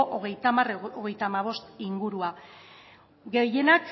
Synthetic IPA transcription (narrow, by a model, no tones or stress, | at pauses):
oʔoɣ̞e̞jt̪amaroɣe̞jt̪amaβ̞o̞st̪iŋɡuɾua | ɡe̞je̞nak